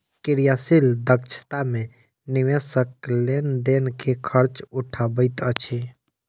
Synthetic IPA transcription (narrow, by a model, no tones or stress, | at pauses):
kiɾijasild̪ək̚t͡ʃʰt̪ame | niʋesəklend̪enkekʰəɾt͡ʃuʈʰabəɪt̪ət͡ʃʰe